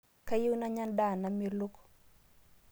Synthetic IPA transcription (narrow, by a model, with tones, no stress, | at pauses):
ka˦jɪ˦wna˦ɲa˦nda˦˨na˨me˦ɾlo˦k